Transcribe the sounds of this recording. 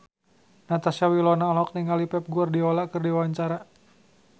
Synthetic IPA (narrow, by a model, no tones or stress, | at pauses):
nat̪asawilɔnalɔk̚niŋalipɛp̚ɡuardiolakɨrdiwawaɲt͡ʃaɾa